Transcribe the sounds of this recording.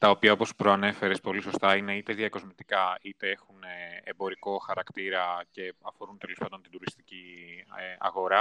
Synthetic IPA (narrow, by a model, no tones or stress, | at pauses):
t̪ɐopiɐo̞po̞spɾo̞ɐne̞fe̞ɾespo̞liso̞st̪ɐine̞it̪e̞ðiɐko̞zmit̪i̥kɐit̪e̞e̞xuneebo̞ɾiko̞xɐɾɐkt̪iɾɐce̞ɐfo̞ɾunt̪e̞lo̞spɐnd̪ont̪id̪uɾist̪i̥cieɐ̰ɣo̞ɾɐ